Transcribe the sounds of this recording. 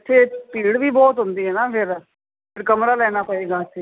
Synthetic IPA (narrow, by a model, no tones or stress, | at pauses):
t͡ʃʰeːpiːɽʋiːbɔːt̪ɦʊnd̪iːɦɛːnaːpʰɪɾ | pʰɪɾkəmɾaːlɛːnaːpəeːɡaːsiː